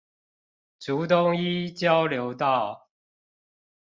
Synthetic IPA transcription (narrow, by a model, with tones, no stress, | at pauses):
ʈ͡ʂu˨˦t̪̬ʊ˦˥ŋi˦t͡ɕjɑ˦ʊljo˨˦ʊt̪ɑ˥˨ʊ